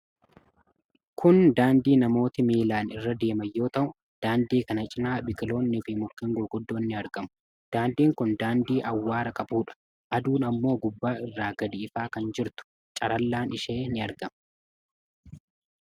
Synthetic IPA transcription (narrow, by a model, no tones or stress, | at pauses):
kʰʊnd̪aːnd̪iːnɐmo̞ːt̪ɪmeːlaːnɪrːɐd̪e̞ːmɐjːo̞ːt̪ɐʔʊ | d̪̥aːnd̪iːkɐnɐt͡ʃʼɪnaːbɪkɪlo̞ːnːɪfɪmʊkːiːŋɡʊlɡʊd̪ːo̞ːnːɪɐɾɡɐmʊ̥ | d̪̥aːnd̪iːŋkʊnd̪aːnd̪iːʔɐwːaːɾɐkʼɐbuːᶑɐ̥ | ʔɐd̪uːnɐmːo̞ːɡʊbːaːɪrːaːɡɐd̪ɪɪfaːkɐnd͡ʒɪɾt̪ʊ̥ | t͡ʃʼɐɾɐlːaːnɪʃe̞ːnɪɐɾɡɐm